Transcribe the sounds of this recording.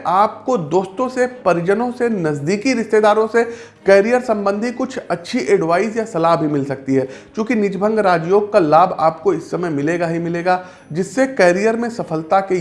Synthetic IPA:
ʔaːp̚kod̪oːst̪õsepɐɾɪd͡ʒənõsenɐzd̪iːkiɾɪʃt̪eːd̪aːɾõse | kɛːɾijəɾsɐ̃mbə̃nd̪ʱikʊt͡ʃʰɐtːʃʰiʔeːɖʋaːɪzjasɐlaːɦbʱimɪlsɐk̚t̪iɦɛːt͡ʃjõːkinɪd͡ʒbʱə̃ŋɡɾaːd͡ʒjoːɡ̚kalaːbʱa̰ːpkoɪsːɐməjmɪleːɡaɦimɪleːɡaː | d͡ʒɪsːekɛːɾijəɾmẽsɐfəlt̪ake

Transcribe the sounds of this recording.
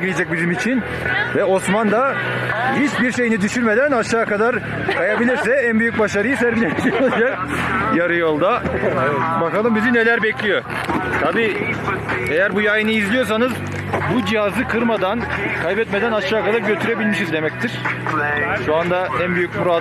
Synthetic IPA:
ɡiijad͡ʒac̚bizimit͡ʃʰin | vɛo̞smand̪a | hit͡ʃbiɾʃe̞jinid̪yʃyɾme̞d̪ænaʃaːkad̪aɾ | kʰajabilʲiɾsɛænbyjyc̚baʃaɾɯjɯsæɾɡilʲɛnʃiod͡ʒak̚ | jaɾɯjo̞lˠd̪a | bakalˠɯmbizine̞lʲæɾbɛclʲijo | t̪ʰabiː | ejæɾbujajɯnɯizlʲijo̞s̬anɯz | bud͡ʒijazɯkʰɯɾmad̪ankʰajbɛt̪me̞d̪ænaʃʃaːkad̪aɾɟø̞t̪ʰyɾe̞bilʲmiʃizd̪e̞mɛc̚t̪ʰiɾ̥ | ʃuand̪aʔænbyjycmuɾa

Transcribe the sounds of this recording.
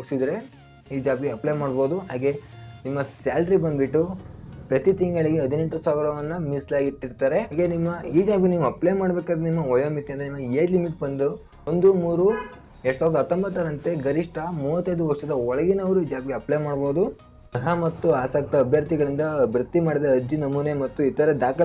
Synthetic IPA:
oɡsid̪ɾe̞ | iːd͡ʒaːbɡeɐplejmaːɽbo̞ːd̪uɦaːɡe̞nimːɐsaːlɖɾibɐnd̪biʈːupɾɐt̪it̪iŋɡɐɭiɡeɐd̪ʱineɳʈusaːʋiɾɐʋɐnːɐmislaːɡiʈːiɾt̪aːɾe̞ɦaːɡenimːɐiːd͡ʒaːbɡeniːʋuɐplejmaːɽbeːkaːɡd̪ɾenimːɐʋɐjɐːmit̪ːiɐnd̪ɾenimːɐeːd̪limiʈ̚bɐnd̪u | ond̪umuːɾu | eɽsaːʋɾd̪ɐt̪ːɐmbɐt̪ːɐɾɐnt̪e̞ɡɐɾiʂʈɐmuːʋɐt̪ːɐjd̪uʋɐɾʂɐd̪ɐɔɭɐɡinɐʋɐɾuiːd͡ʒaːbɡeɐplejmaːɽboːd̪u | ɐɦamɐt̪ːuaːsɐk̚t̪ɐɐbʱjɐɾt̪iɡɐɭind̪ɐbɾɐt̪ːimaːɽid̪eːd͡ʒinɐmuːnemɐt̪ːuit̪ːɐːɾed̪aːkɐ

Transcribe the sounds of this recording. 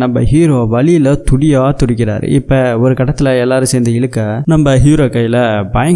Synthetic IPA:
nɐmbɐ̰ɦiːɾoːʋɐɭɪlɐt̪ʊɽɪjaːt̪ʊɽɪkːɪɾa̰ːɾɯ̰ɪ̰pːɐɔɾɯkɐʈɐt̪ːɪlɐɛlːaːɾɯ̃sɛːnd̪ɐɪɭɯkːɐnɐmbɐɦiːɾoːkːɐjɪlɐbɐjɐŋ

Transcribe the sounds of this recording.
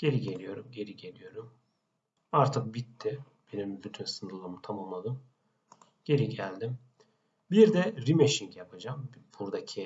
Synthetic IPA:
ɟ̥e̞ɾiɟe̞lʲijo̞ɾumɟe̞ɾiɟe̞lʲijo̞ɾum | aɾt̪ʰɯk̚bit̪ʰːɪ | b̥e̞nimbyt̪ʰynsɯnd̪ɯlˠaɯmt̪ʰamulˠmlˠad̪ɯm | ɟ̥e̞ɾiɟælʲd̪im | biɾd̪ɛɾimeʃiŋcjapʰad͡ʒamb̥uɾd̪acʰi

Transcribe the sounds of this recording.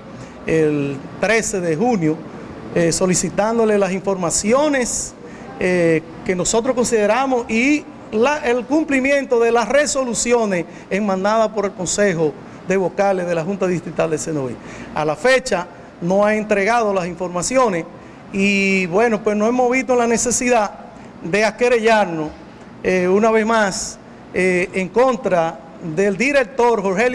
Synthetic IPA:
elt̪ɾese̞ðeɦunjo | eso̞lisit̪and̪o̞le̞lasiɱfo̞ɾmasjo̞nes | ke̞nosot̪ɾosko̞nsið̞eɾamosi | laʔelkumplimjẽ̞nt̪o̞ðe̞lasreso̞lusjo̞nes | eŋmãnd̪aðapo̞ɾe̞lko̞nseɦo | ðe̞βokaleðe̞laɦunt̪aðist̪ɾit̪ald̪esenoḭ | a̰lafet͡ʃa | no̞aent̪ɾeɣað̞o̞lasiɱfo̞ɾmasjo̞nes | iβwe̞no̞pwesnoemoβit̪olane̞se̞siða | ðe̞akeɾeʝaɾno | eunaβe̞smas | eeŋko̞nt̪ɾa | ðeld̪iɾe̞k̚t̪o̞ɾɦoɾɦel

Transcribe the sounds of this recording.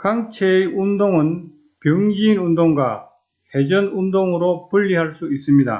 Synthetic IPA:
kaŋt͡ɕʰeundoŋɯn | pjʌŋd͡ʑiːnundoŋɡwa | he̞d͡ʑʌnundoŋɯɾopuʎːiɦaɭs͈uis͈ɯmɲida̰

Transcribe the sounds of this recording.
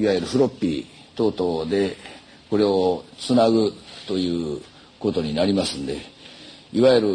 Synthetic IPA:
iβajɯ̟ɾɯ̟ɸɯ̟ɾo̞pʲːi | t̪o̞ːt̪o̞d̪e̞ | ko̞ɾe̞ot͡sɨnaɡɯ̟t̪o̞jɯ̟ː | ko̞t̪o̞ɲ̟inaɾʲimasɨ̃nd̪e̞ | iβajɯɾɯ̟

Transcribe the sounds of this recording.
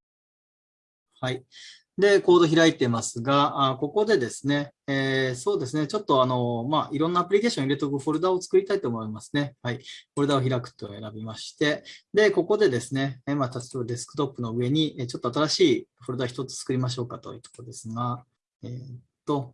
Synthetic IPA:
hai | d̪e̞ko̞ːd̪o̞çʲiɾait̪e̞masɨɡaako̞ko̞d̪e̞d̪e̞sɨne̞eso̞ːd̪esɨne̞t͡ɕo̞t̪ːo̞ano̞maʔiɾonːaːpɯ̟ɾʲike̞ːɕõiɾe̞t̪okɯɸo̞ɾɯ̟d̪ao̞t͡sɨ̥kɯ̟ɾʲit̪ait̪oːmo̞imasɨ̥ne̞haiɸo̞ɾɯ̟d̪ao̞çiɾakɯ̟̥t̪ːeoe̞ɾabʲimaɕi̥t̪e̞d̪e̞ko̞ko̞d̪e̞d̪e̞sɨne̞mat̪ḁt̪obad̪e̞sɨ̥kɯ̥t̪o̞pːɯno̞ɯ̟e̞ɲ̟iet͡ɕot̪ːo̞at̪̬aɾaɕiːɸoɾɯ̟d̪açit̪o̞t͡sɨ̥t͡sɨ̥kɯɾʲimaɕ̬o̞ːkat̪o̞̰jɯ̟ːt̪okod̪esɨɡa | ett̪ːo̞

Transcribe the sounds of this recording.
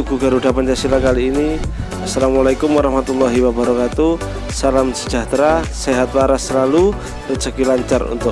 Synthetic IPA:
uɡ̥uɡa̤ɾuɖapanɲt͡ʃasilakaliːni | asːalamalakʊmwaɾɑhmat̪ulːaɦiwabaɾɔkat̪u | salamsə̥d͡ʒa̤ht̪ɾaseɦat̪̚waɾasəlalu | rət͡ʃəkilaɲt͡ʃarṵnt̪ʊk̚

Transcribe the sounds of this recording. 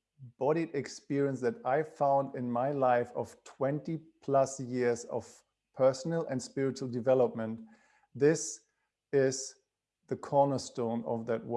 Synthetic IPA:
b̥ɔɾiɾɨkspɪɹiə̃nsðɨɾaɪfãʊ̃ndɪ̃nmaɪlaɪfʌv̥tʰw̥ɛ̃ntipʰl̥ʌsjɪɹzʌ̰v̥ | pʰɜ˞sn̩l̩ˠʔɨ̃ndspɪɹɨt͡ʃul̩ˠdɨvɛləp̚mə̃nt | ðɪs | ɪz | ðɨkʰɔɹnə˞stõʊ̃nʌ̰vðɨt̚wɜ

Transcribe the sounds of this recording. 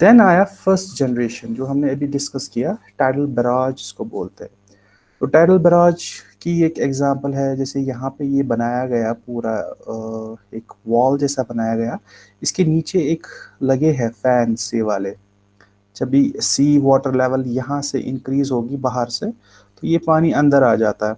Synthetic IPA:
d̪ɛnaːjafəɾsʈd͡ʒɛːnəɾeːʃə̃nd͡ʒoːɦɐmneɐbʱiɖɪskəskijaʈaːɪʈəlbɾãːd͡ʒɪskobo̰ːlt̪eɦɛ̃ | t̪oːʈaːʈəlbəɾaːd͡ʒkieːkɛɡzãːmpəlɦɛd͡ʒɛːsejɐɦãpejebɐnaːjaɡɐjapuːɾa | eːkʋɔːld͡ʒɛːsabɐnaːjaɡɐja | ɪskeniːt͡ʃeeːklɐɡeɦɛfɛːnseʋaːle | d͡ʒɐbʱisiːʋɔːʈəɾlɛːʋəljɐɦãseʔɪ̰̃nkɾiːzɦoːɡibaːɦəɾse | t̪ojepaːñiɐ̃nd̪əɾaːd͡ʒaːt̪aɦɛː

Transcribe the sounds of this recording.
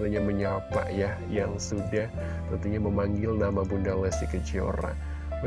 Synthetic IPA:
t̪uɲaməɲapa̰ʔjahjaŋsudah | t̪ənt̪uɲaməmaŋɡɪlnamabundalasikət͡ʃio̰ɾa̰

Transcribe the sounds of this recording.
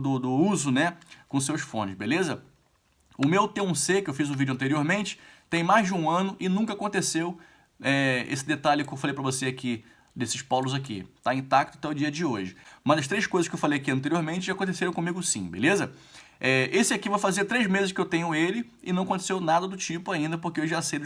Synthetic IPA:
d̪ʊd̪ʊuzʊnɛkõsewsfõ̰nɪʃbelezɐ | ʊmewt̪eũsekɪewfizʊvid͡ʒʊɐ̃nt̪eɾioɾmẽnt͡ʃɪ̥t̪ẽj̃majzd͡ʒɪũɐ̃nʊʔɪnũkɐakõnt̪esew | ɛḛsɪd̪et̪alɪʊkɪewfalejpɾɐvoseakʰi | d̪esɪʃpawlʊzakḭt̪aĩt̪ak̚t̪ʊ̥t̪ɛʊd͡ʒiɐd͡ʒɪoʒɪmɐzɐʃt̪ɾejʃkojzɐʃkewfalejakiɐ̃nt̪̬eɾioɾmẽt͡ʃɪʒakõnt̪̬eseɾɐ̃kõmiɡʊsḭ̃bḛlezɐ | ɛesɪakivajfazeɾt̪ɾejzmezɪʃkɪewt̪ẽɲʊelɪ | ɪ̰nɐ̃w̃ɐkõt̪e̥sewnad̪ɐd̪ʊt͡ʃipʊaĩnd̪ɐpʊɾkeewʒasejd̪ʊ

